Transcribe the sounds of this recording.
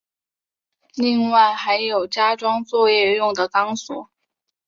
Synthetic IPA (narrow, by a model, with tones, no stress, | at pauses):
li˥˧ŋwa˥˩ɪxa˧˥ɪjo˨˩ʊt͡ɕja˥ʈ͡ʂwɑ˥ŋt͡swɔ˥˧jɛ˥˧jʊ˥˩ŋd̪ə˩kɑ˥ŋswɔ˨˩˦